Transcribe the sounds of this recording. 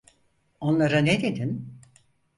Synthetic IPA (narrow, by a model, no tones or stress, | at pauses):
o̞nlˠaɾaned̪ed̪in